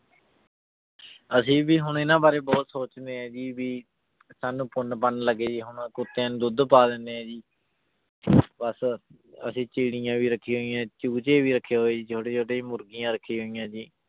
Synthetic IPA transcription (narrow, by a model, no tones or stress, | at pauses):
əsĩːbiːɦʊɳɪnãːbaːɾeːbɔːt̪soːt͡ʃnd̪eːɛ̃ːd͡ʒiːbiː | saːnũːpʊnpənləɡeːd͡ʒiːɦʊɳkʊt̪ːeːnːd̪ʊd̪paːd̪ẽnd̪eːɦɛ̃ːd͡ʒiː | bəs | ə̰sĩːt͡ʃiːɽɪjãːʋiːɾəkʰːiːɦoːijãːt͡ʃuːt͡ʃẽːʋiːɾəkʰːeːɦoːeːd͡ʒiːt͡ʃʰoːɽeːt͡ʃʰoːʈeːmʊɾɡijãːɾəkʰːiːɦoːijãːd͡ʒiː